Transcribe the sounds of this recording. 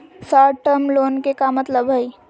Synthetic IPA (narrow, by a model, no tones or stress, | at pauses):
saːʈəmloːnkekamɐt̪ləbɦɐi